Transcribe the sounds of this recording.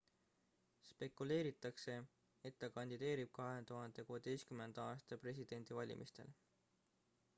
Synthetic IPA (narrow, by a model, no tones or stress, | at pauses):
spe̞kːˑule̞ːɾit̪ːˑɑkse̞ | et̪ːɑkɑnʲd̪̥id̪e̞ːɾib̥̚kɑɦe̞t̪uɦɑnd̪̥e̞kuːed̪e̞jst̪kyme̞nd̪̥ɑɑːst̪ɑpre̞s̬ʲid̪̥e̞nʲd̪̥ivɑlʲḭmist̪e̞̰l